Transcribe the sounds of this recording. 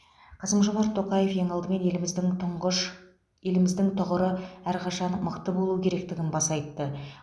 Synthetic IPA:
qʰɑsəmʒo̞mɑɾt̪ʰːo̞qɑje̞fje̞ŋɑlˠd̪əme̞ne̞lmɪzd̪ɪŋʊɴʃ | je̞lɪmɪzd̪ɪŋt̪ʰʊʁəɾəæɾqʰɑʃɑnməqt̪əbo̞lˠukʲʰe̞ɾe̞k̚t̪ɪɡʲɪnbɑsɑjt̪ːə

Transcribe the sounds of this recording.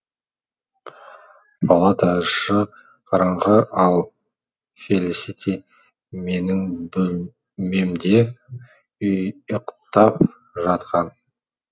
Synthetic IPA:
pʰɑlˠɑt̪ɑʃə | qʰɑɾɑɴʁəʔɑlˠ | felisit̪ʲʰi | me̞nɪŋbʏl | me̞md̪e̞ | ʏjəqt̪ɑp̚ | ʒɑt̪qɑn

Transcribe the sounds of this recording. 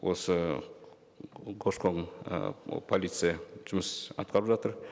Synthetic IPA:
wʔo̞sə | ɡʰoʃkʰoŋ̰ | pʰolit̪sɨjaʒ̥ʊməsɑ̰t̪̚qʰɑɾəpʒɑt̪əɾ

